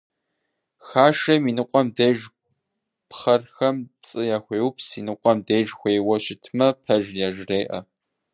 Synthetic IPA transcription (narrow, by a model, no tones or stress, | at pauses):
xaːʂɐminɨqʷʼɔmdejʒ | pχɐrxɐmt͡sʼɨjaːxʷeːwpʰsinɨqʷʼɔmdejʒxʷejwɐɕɪtʰmɐpʰɐʒjaʒreːʔɐ